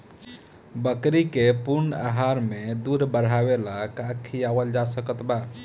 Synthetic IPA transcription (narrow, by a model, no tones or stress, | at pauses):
bəkɾikepuɾna̰ɦaɾmed̪uɾbəɾ̤awelakakʰiaʋəld͡ʒasəkət̪ba